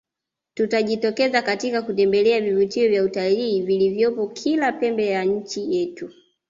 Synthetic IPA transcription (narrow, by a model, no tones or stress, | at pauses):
tutaʄitɔkɛzakatikakutɛmbɛlɛavivutiɔvjautaliːvilivjɔpɔkʰilapɛmbɛjaɲ̩t͡ʃijɛtu